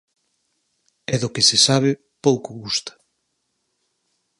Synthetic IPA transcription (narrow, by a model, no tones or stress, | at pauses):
ɛðʊkɪsɪsaβ̞ɪ | powkʊɣust̪ḁ